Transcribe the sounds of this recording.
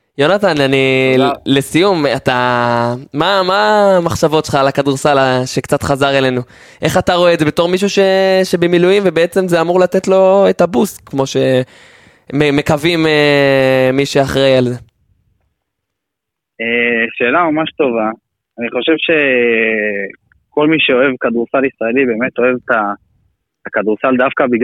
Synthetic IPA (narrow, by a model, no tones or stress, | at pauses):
jonat̪ananile̞sijumat̪a | mamamaχʃavo̞tʃelχalakaduʁsalaʃekt͡sat̪χazaʁele̞nu | ʔe̞χataʁo̞edzebe̞to̞ʁmiʃ̬uʃe̞ʃe̞bemilujimvebeet͡se̞mzeamuʁlat̪e̞t̪lo̞etabuskmo̞ʃe̞ | meme̞kavime | miʃeaχʁejalze̞ | eʃe̞ːlamamaʃt̪o̞vaː | niχo̞ʃevʃe̞ | ko̞lmiʃeo̞e̞vkad̪uʁsalisʁae̞libe̞met̪o̞e̞vt̪a | takad̪uʁsald̪afkabiɡ